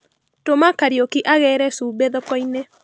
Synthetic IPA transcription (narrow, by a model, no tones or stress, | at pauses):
tomakaɾjokiʔaɣɛɾɛsuːbeðɔkɔine